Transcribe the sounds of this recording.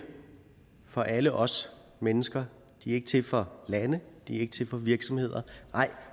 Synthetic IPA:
fɒ̽ʔæləʔɒ̽s | menəsɡ̥ɐ | d̥iæe̝ɡ̥ət͡sʰe̝lfɒ̽lænəd̥iæɐe̝ɡ̥ət͡sʰe̝lfɒ̽ʋiɐɡ̥sɒ̽mhe̝ð̞̰ˠɐnɑ̈ɪ̰

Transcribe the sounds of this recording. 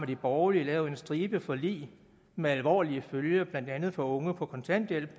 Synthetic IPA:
ɐd̥ib̥ɒʊlilɛːʊe̝nsd̥ʁiːb̥əfɒ̽lḭː | meælʋɒ̰ːliəføljɐb̥læn̰d̥ænð̞̩ˠfɒ̽ɔ̽ŋəpʰɒ̽kʰɒ̽nt͡sʰæn̰d̥jel̰b̥

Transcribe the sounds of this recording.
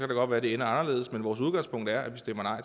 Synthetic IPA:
kʰæɾ̥aɡ̥ɒ̽d̥ʋæːɐdeenəɑ̈nɐle̝̰ːðˠsmenʋɒːsuð̞ˠɡɑ̈ŋ̰spʰɔ̽ŋ̰d̥æɐʔæʋisd̥em̰ɐnɑ̈ɪ̰

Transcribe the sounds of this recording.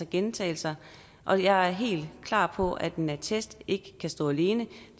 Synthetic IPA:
ɑɡ̥ent͡sʰɛ̰ːlsɐ | ʔɒ̽jɑ̈ɪæɐɦe̝̰ːld̥kʰlɑ̰̈ːpʰɒ̽æd̥enæt͡sʰesd̥e̝ɡ̥əkʰæsd̥ɔ̰ːæle̝ːnəd̥

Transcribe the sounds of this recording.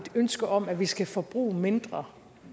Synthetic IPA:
d̥ønsɡ̥ɐʔɒ̽mæʋisɡ̥æfɒ̽b̥ʁṵːme̝nd̥ʁɐ

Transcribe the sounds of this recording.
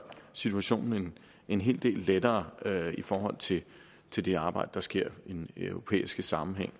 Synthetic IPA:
sit͡sʰuæɕo̝̰ːnn̩en | enɦe̝̰ːld̥e̝̰ːlːed̥ɐːifɒːhɒ̽l̰t͡sʰe̝ | t͡sʰe̝ld̥e̝ɑ̈ːb̥ɑ̈ɪ̰d̥əd̥ɑ̈sɡ̥e̝ɐ̰inøʊʁo̝pʰḛːisɡ̥əsɑ̈mm̩ɦeŋ̰

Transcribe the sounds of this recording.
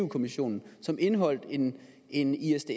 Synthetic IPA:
uʊkʰo̝miɕo̝̰ːnn̩sɒ̽mʔe̝nəɦɒ̽l̰d̥e̝n | ʔe̝niesd̥e̝

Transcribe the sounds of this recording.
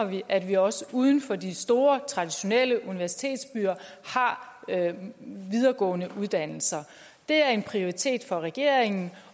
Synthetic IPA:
ɐʋiʔæd̥ʋiɒ̽səuːð̞ˠn̩fɒ̽disd̥o̝ːɐt͡sʰʁɑ̈d̥iɕo̝nel̰əʔuniʋæɐsi̥t͡sʰe̝̰ːd̥sb̥yːɐ | hɑ̈ | ʋið̞ˠɐɡ̥ɔ̰̽ːnəʔuð̞ˠd̥æn̰l̩sɐ | d̥e̝æɐe̝npʰʁio̝ʁit͡sʰe̝̰ːd̥fɒ̽ʁɛɡ̥e̝ɐ̰eŋn̩

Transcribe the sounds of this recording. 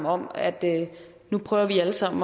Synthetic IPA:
ɒ̽m̰æd̥ | nupʰʁœːʊɐʋiæləsɑ̈m̰n̩

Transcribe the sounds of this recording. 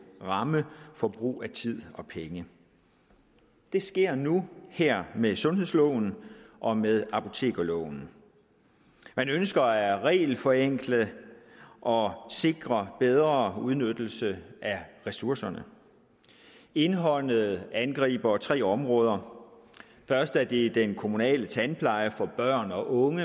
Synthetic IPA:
ʁɑ̈məfɒ̽b̥ʁṵːæt͡sʰið̞̰ˠɒ̽pʰeŋə | d̥e̝sɡ̥e̝ɐ̰nuheɐ̰mesɔ̽nɦe̝ðˠslɔʊ̰n̩ʔɒ̽meðˠɑ̈pʰo̝t͡sʰe̝̰ːɡ̥ælɔʊ̰n̩ | mænønsɡ̥ɐæʁɛ̰ːlfɒ̽eŋ̰ɡ̥ləð | ʔɒ̽se̝ɡ̥ʁɐb̥eð̞ˠʁɐuð̞ˠnød̥l̩səæʁɛsuɐsɐnə | e̝nɦɒ̽n̰ð̩ˠænɡ̥ʁḭːb̥ɐt͡sʰʁɛ̰ːɒ̽mʁɔ̽ːð̞ˠɐ | fɶɐsd̥æɐd̥id̥enkʰo̝munɛ̰ːlət͡sʰænpʰlɑ̈ɪəfɒ̽b̥ɶɐ̰nɒ̽ʔɔ̽ŋə

